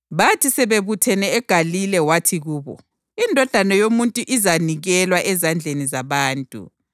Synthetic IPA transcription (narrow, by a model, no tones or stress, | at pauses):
βatʰisɛβeβutʰɛnɛːɡ̥ʱalilɛwatʰiɣuːβɔ̰ | indʱɔd̥ʱanɔjomuntʼuʔizaniɣɛlwaʔɛzand͡ɮʱenizaβaːntʼṵ